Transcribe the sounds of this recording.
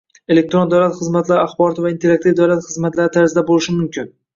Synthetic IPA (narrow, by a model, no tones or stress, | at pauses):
e̞lek̚t̪ɾond̪awlat̪χɨzmat̪laɾɪaχbɒɾɒt̪ʰɪvaint̪ʰe̞ɾak̚t̪ivd̪awlat̪χɨzmat̪laɾɪt̪ʰaɾzɪd̪abolɪʃɪmʊmkʲʰɪn